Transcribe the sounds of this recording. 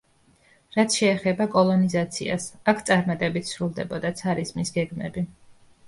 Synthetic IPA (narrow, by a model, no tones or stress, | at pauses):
ɾat̪sʰʃɛːχɛbakʼɔlˠɔnizat̪sʰḭa̰sakʰt̪sʼaɾmat̪ʼɛbit̪ʰsɾulˠd̪ɛbɔd̪at̪sʰaɾizmisɡɛɡmɛ̰bi